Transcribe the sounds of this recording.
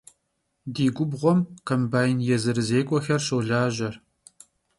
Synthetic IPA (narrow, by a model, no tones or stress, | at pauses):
diːɡʷʊbʁʷɔmkʰɐmbaːjnjɛzɨɾɨzeːkʷʼɔxɐrʃɐwɮaːʒɐr